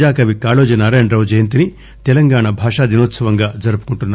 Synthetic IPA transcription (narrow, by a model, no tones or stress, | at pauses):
d͡ʒaːkɐʋikaːloːd͡ʒɐnaːɾɐːjɐɳɖɾɐwd͡ʒɐjɐnt̪̬ini | t̪ɛlɐŋɡaːɳɐbʱaːʂaːd̪inoːt̪sɐʋɐŋɡaːd͡ʒɐɾupu̥kuɳʈunːa